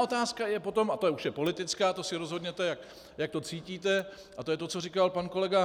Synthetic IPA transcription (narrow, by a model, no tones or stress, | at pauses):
ʔo̞t̪aːskajɛpo̞t̪o̞mat̪ojɛuʃjɛpo̞lɪt̪ɪt͡skaːt̪osɪɾozɦo̞d̪ɲɛt̪ɛjak | jak̚t̪o̞t͡siːciːt̪ɛ | ʔat̪ojɛt̪o̞t͡so̞rikalpanko̞lɛɡa